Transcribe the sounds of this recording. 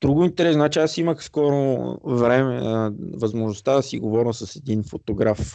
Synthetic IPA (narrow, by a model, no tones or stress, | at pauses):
d̪ɾuɡʊint̪ɛɾɛsnat͡ʃiasiməxskɔɾovɾɛmɛvɐzmoʒnost̪ad̪ɐsiɡovɔɾsɐsɛd̪infot̪oɡɾaf